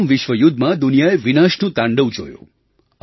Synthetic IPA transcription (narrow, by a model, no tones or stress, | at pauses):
mʋɪʃʋəjʊd̪ʱːmãd̪ʊnijaeʋinaʃnũt̪ãɳɖəʋd͡ʒo̰jṵ̃